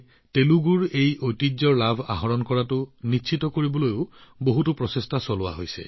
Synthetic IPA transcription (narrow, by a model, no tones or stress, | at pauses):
teluɡuɹejojtid͡ʒzɔɹlabʱa̰ɦɔɹɔnkɔɹatʊnit͡ʃʰitɔkoɹibɔlojʊboɦutʊpɹɔsestasɔlʊwa̰ɦojsɛ̰